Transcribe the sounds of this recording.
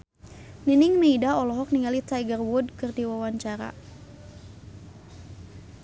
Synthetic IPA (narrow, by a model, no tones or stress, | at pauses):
ninɪŋmeidaɔlɔɦɔk̚niŋalit̪ajɡərwʊdkɨrdiwawaɲt͡ʃaɾa̰